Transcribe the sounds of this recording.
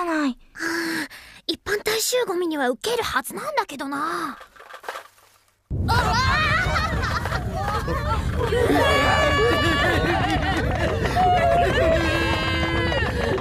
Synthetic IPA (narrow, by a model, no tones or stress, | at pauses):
naiɯ̃ːipːãnt̪aiɕɨːɡo̞mʲiɲ̟iβaɯ̟ke̞ɾɯ̟hazɨnãnd̪ake̞d̪o̞na